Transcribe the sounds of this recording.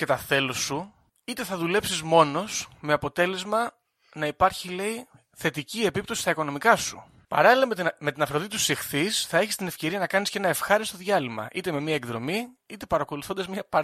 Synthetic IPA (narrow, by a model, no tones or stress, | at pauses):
ce̞t̪ɐθe̞losu | it̪e̞θɐðule̞psizmo̞no̞sme̞ɐpo̞t̪e̞le̞zmɐ | nɐipɐɾçile̞i | θe̞t̪icie̞pipt̪o̞si̥st̪ɐiko̞no̞mikɐsu̥̰ | pɐ̰ɾɐlilɐme̞t̪inɐfɾoðit̪u̥sixθisθɐe̞çist̪ine̞fce̞ɾiɐnɐkɐnisce̞nɐe̞fxɐɾist̪o̞ðʝɐlimɐ̰ʔit̪e̞me̞miɐekðɾo̞̰miit̪e̞pɐɾɐko̞luθo̞nd̪ɐzmɲɐpɐ